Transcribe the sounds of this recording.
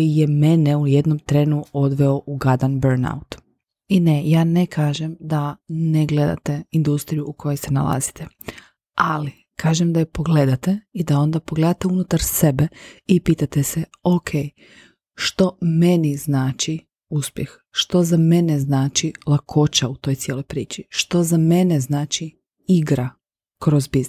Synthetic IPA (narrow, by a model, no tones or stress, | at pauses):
kjijemeneujed̪nomt̪ɾeːnuo̞d̪ʋeo̞ʔuɡad̪anbeɾna̰ut̪ | inejaːnekʰaːʒemd̪aneɡle̞d̪a̰t̪eind̪ust̪ɾijuːko̞jese̞na̰lˠa̰zi̥t̪ʰe | ali | kʰaːʒemd̪ajepo̞ɡle̞d̪at̪eid̪ao̞nd̪apo̞ɡled̪at̪eunut̪aɾse̞beipiːt̪at̪eseokʰej | ʃt̪o̞me̞niznaːt͡ʃi | uspjex | ʃt̪o̞zame̞neznaːt͡ʃilˠakʰo̞t͡ʃaut̪ojt̪sjeːlo̞jpɾiːt͡ʃiʃt̪o̞zame̞neznaːt͡ʃi | iɡɾa | kɾozbizn